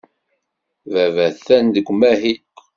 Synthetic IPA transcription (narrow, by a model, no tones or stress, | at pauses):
vævæθænd̪əɡʷːmæɦi